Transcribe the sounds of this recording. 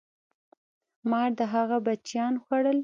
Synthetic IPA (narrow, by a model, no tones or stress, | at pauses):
mɑɾd̪əɦaɣabat͡ʃjɑnxaɽəl